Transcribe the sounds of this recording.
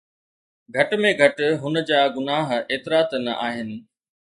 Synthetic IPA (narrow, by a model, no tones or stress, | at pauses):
ɡʱɐʈmẽɡʱɐʈɦʊnə̆d͡ʑaːɡʊnaːɦeːt̪ɪɾaːt̪nɐʔaːɦɪnɪ̆